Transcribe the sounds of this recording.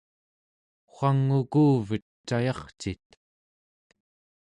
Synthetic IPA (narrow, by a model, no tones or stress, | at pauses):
χʷaŋːukuːvət̪t͡ʃːajɑχt͡ʃit̪